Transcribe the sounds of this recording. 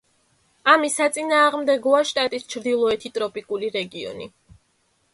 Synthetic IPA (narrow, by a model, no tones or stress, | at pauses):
amisat̪sʼinaːʁmd̪ɛɡɔaʃt̪ʼat̪ʼist͡ʃʰɾd̪ilˠɔɛt̪ʰit̪ʼɾɔpʼikʼuliɾɛɡiɔ̰nḭ